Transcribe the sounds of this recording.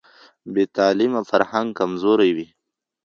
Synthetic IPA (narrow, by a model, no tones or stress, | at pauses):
bet̪aːlimafaɾhaŋɡkamzoɾajwi